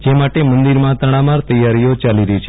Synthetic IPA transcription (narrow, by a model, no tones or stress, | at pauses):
d͡ʒemaʈemə̃nd̪iɾmãt̪əɽ̃ãmaɾt̪əjːaɾijot͡ʃaliɾəit͡ʃʰ